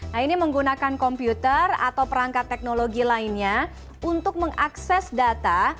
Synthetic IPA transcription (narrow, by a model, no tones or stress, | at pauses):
ainiməŋɡunakankɔmpjut̪əra̰t̪awpəɾaŋkat̪ːɛk̚noloɡilainɲa | unt̪ʊk̚məŋʔaksɛsdat̪a